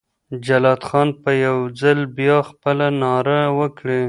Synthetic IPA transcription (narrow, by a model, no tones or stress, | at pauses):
d͡ʒalɑd̪xɑnpəjawd͡zalbjɑxpəlanɑɾawəkɽe